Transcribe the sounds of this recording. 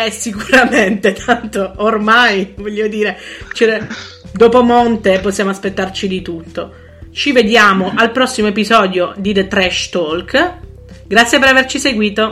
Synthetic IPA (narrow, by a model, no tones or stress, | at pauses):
ɛsikuɾament̪et̪ʰant̪oːrmajvɔʎːod̪iːɾet͡ʃɛɛ | d̪oːpomont̪eposːjaːmoaspet̪ːart͡ʃid̪it̪ut̪ːo | t͡ʃived̪jaːmoʔalpɾɔsːimoep̬izɔːd̪jod̪id̪et̪ɾɛʃt̪olk | ɡɾat̪sjepeɾavert͡ʃiseɡwiːt̪o